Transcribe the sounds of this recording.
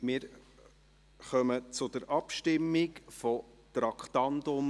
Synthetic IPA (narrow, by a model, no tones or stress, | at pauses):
mɪːɾ | χœmət͡sʊd̥̪əɾʔɑpʃtɪmːikfɔ | t̪ɾɑkχt̪ɑnd̪ʊm